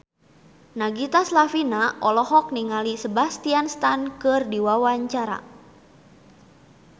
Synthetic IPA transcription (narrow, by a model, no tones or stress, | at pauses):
naɡit̪aslafinaʔɔlɔhɔk̚niŋalisəbast̪ianst̪ankɨrdiwawaɲt͡ʃaɾa̰